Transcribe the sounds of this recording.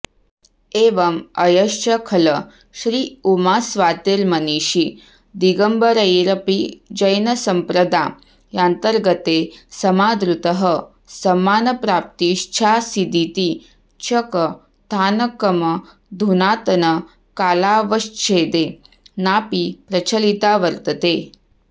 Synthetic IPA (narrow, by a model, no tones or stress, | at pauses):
eːʋɐmɐjɐʃt͡ʃʰɐkʰɐlɐ | ʃɾiːumaːsʋaːt̪eːɾmɐniːʃi | d̪iɡɐmbɐɾɐjɾɐpid͡ʒɐjnɐsɐmpɾɐd̪aː | jant̪ɐɾɡɐt̪eːsɐmaːd̪ɾut̪ɐɦɐ | sɐmaːnɐpɾaːp̚t̪iʃt͡ʃʰaːsid̪it̪i | t͡ʃʰɐkɐ | t̪ʰaːnɐkɐmɐ | d̪ʱunaːt̪ɐnɐ | kaːlaːʋɐʃt͡ʃʰeːd̪eː | naːpipɾɐt͡ʃʰɐlit̪aːʋɐɾt̪ɐt̪eː